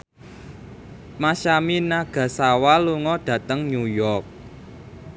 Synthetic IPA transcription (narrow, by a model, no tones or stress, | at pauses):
maʃaminaɡ̥ä̤sawaluŋɔd̥ä̤t̪əŋɲujɔrk̚